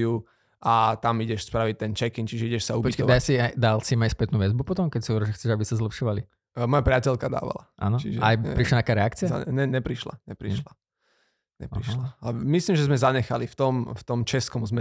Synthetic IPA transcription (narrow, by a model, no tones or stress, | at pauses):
u | ʔat̪amiɟɛʃspɾaʋic̚t̪ɛnt͡ʃɛkint͡ʃiʒɛiɟɛʃsaupiɔd̪asiajd̪alsimajspɛt̪nuːʋɛzbupɔt̪ɔmkɛcsiɔʋɛɾɛʒɛxt͡sɛʒabisazlɛpʃɔʋali | mɔjapɾɪacɛlkad̪a̰ːʋa̰la̰ʔa̰nɔt͡ʃḭʒɛajpɾiʃlant̪akaːɾɛak̚t͡siɪaa̰ɛɲɛpɾiʃla̰ɲɛpɾiʃla | ɲɛ̰ḭʃlaamislimʒɛzmɛzaɲɛxalift̪ɔmft̪ɔmt͡ʃɛskɔmzmɛ